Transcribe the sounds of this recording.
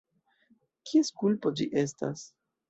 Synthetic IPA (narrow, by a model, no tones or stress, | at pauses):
kʰieskulpo̞d͡ʒiʔe̞sta̰s